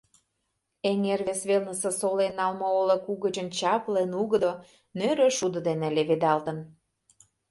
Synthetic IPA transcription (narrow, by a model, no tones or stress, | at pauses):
eŋerβesβelnə̆sesolenɑlmooləkuɣəd͡ʑənt͡ɕɑplenuɣə̆d̪o | nøɾøʃud̪əd̪enĕleβed̪ɑlt̪ə̆n